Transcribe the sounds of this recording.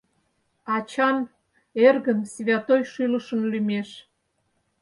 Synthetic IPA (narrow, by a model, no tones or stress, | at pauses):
ɑt͡ɕɑn | erɣənsβʲɑt̪ojʃyləʃənlymeʃ